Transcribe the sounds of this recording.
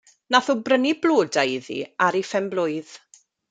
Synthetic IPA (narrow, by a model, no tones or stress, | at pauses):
naθubrənibloːdajðḭaɾifɛmblʊɨð̥